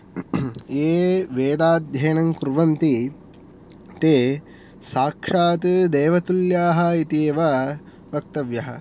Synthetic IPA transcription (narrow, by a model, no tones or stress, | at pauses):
eːʋeːd̪aːd̪̚jʱɐjnɐŋkɾuʋɐnt̪i | t̪eː | saːkʂaːt̪d̪eːʋɐt̪uljaːɦɐ̆it̪eːʋɐ | ʋɐk̚t̪ɐʋjɐɦɐ